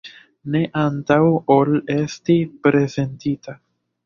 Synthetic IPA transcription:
ne̞ʔantawole̞stipɾe̞ze̞ntita

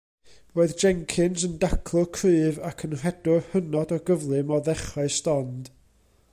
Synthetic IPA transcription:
roːɨðd͡ʒɛŋkʰɪnzəndakʰlˠʊkʰrɨːvakʰənr̥ɛd̥ʊrhənɔdɔɡəvlˠɨmɔðɛχɔɨstɔnd̥

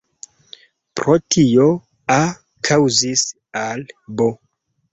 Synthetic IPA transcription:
pɾotʰio | a | kʰawzis | albo

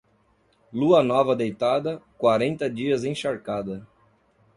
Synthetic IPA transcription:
luɐnɔvɐd̪ejt̪ad̪ɐkwaɾẽnt̪ɐd͡ʒiɐzẽʃaɾkad̪ɐ

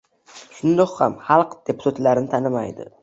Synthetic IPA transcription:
ʃʊnd̪ɒqhamhɑlˠqd̪̥e̞pʰʊ̥t̪ʰat̪laɾɪnɪt̪ʰanɪma̰jd̪ɪ̰

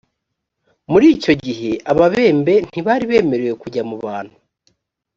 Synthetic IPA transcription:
muɾiːco̞ɟiɦe̞ʔaβaβe̞ːmbe̞n̥iβaːɾiβe̞ːme̞ɾeje̞kuɟamuβaːn̥hu

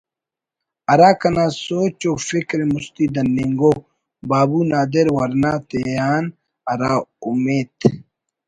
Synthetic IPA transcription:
ɐɾaːkɐnaːsoːt͡ʃofikɾemust̪id̪ɐnːiŋɡo | baːbunaːd̪eɾwɐɾnaːt̪ejaːn | ɐɾaːumeːt̪

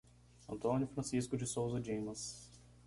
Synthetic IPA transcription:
ɐ̃nt̪õnjʊfɾɐ̃siskʊd͡ʒɪsowzɐd͡ʒĩmɐ̃s

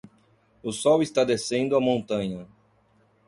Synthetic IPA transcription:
ʊsɔwist̪ad̪esẽnd̪ʊɐmõnt̪ɐ̃ɲɐ

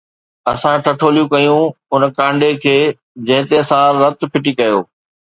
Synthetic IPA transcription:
ɐsãʈʰɐʈʰoːlijũkɐjũʊnkãːɳɖekʰeː | d͡ʑɐ̃ɦɪ̃t̪eɐsãːɾɾɐt̪pʰɪʈikɐjo̰ː

